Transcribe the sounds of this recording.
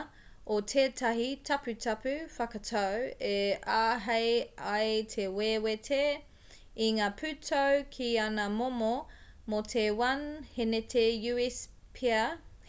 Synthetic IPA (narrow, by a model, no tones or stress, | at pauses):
otʰeːtʰɐɦitʰɐpʉtʰɐpʉfɐkɐtʰɐweaːɦɐjajtʰewewetʰe | iŋaːpʰʉtʰɐwkʰianɐmomo | motʰewɐnhenetʰejʉis | pʰiɐ